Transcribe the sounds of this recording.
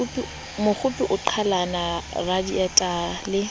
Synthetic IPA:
upʼi | mʊχʊpʼiʔʊǃʰalanaradijatʼalɪ

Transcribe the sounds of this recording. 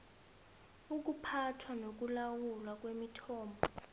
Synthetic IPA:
uk̬upʰatʰwanok̬ulawulwak̬wemitʰɔːmbʱɔ

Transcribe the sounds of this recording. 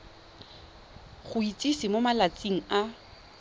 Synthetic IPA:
χʊit͡sʼisimomalat͡sʼiŋ̩a

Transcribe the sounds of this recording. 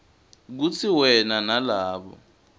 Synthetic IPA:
k̬ut͡sʰiwɛnanalaːɓɔ̰

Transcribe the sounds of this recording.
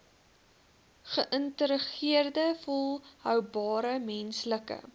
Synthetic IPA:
χəʔəntəɾəχiərdəfɔlˠɦœwbɑːɾəmɛnsləkə̰

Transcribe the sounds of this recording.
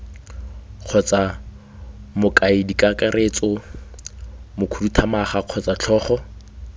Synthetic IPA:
q͡χʰɔt͡sa | mʊkʼaɪdikʼakʼaɾʔet͡sʼɔ | mʊkʰudutʰamaχaq͡χʰɔt͡sʼat͡ɬʰɔːχɔ

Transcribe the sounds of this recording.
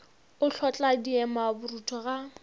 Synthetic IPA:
ʊɬʰɔt͡ɬʼadiɛmabʊrutʰɔɣa

